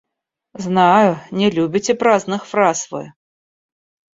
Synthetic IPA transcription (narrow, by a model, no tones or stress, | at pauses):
znajunʲɛlʲubʲit͡sʲɛpɾaznɨxfɾasvɨ̰